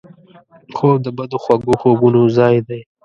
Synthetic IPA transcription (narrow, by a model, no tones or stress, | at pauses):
xoːb̚d̪əbad̪oxwaɡoxobunozɑjd̪aj